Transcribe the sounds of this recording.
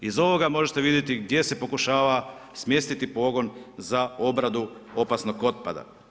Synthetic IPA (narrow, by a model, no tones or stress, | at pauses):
izo̞ʋo̞ɡamo̞ʒet̪e̞ʋid̪ʲje̞t̪iɡ̚d̪jese̞po̞kuʃaːʋasmje̞st̪it̪ipo̞ɡo̞nzao̞bɾad̪uo̞pasnoɡo̞t̪̚pa̰d̪a̰